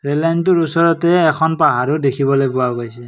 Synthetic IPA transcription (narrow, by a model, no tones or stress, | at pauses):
ɹelajntuɹusɔɹɔtɛːkʰɔnpaɦaɾudekʰibɔlojpʊwaɡojsɛ